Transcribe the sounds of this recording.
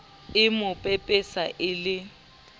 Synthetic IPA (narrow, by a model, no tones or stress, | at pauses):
ɪmʊpʼepʼɪsaʔɪlɪ